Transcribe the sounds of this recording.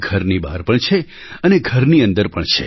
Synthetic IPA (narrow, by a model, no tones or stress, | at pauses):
ɡʱəɾnibaɾpəɳt͡ʃʰe | əneɡʱəɾniə̃nd̪əɾpəɳt͡ʃʰḛ